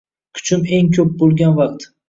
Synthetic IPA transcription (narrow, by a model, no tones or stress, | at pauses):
kʰʊ̥t͡ʃʰɪme̞ŋkʲʰɵp̚bolˠɡʲanvaq̚t̪